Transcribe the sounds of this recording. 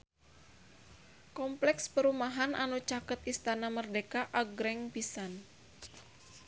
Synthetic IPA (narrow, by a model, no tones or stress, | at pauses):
kɔmplɛkspəɾumaɦanʔa̰nut͡ʃakət̪̚ist̪anamərdekaʔaɡɾɛŋbisan